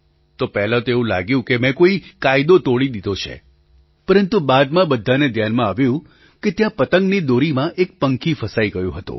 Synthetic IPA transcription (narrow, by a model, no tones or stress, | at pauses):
t̪opɛɦlãt̪oeũla̰ɡjũkemɛ̃koikajd̪ot̪oɭid̪id̪ʱot͡ʃʰḛ | pəɾənt̪ubad̪mãbəd̪ʱːaned̪ʱjanmãaʋjũ | ket̪jãpət̪əŋɡnid̪oɾimãʔek̚pəŋkifəsaiɡəjṵ̃ɦət̪ṵ̃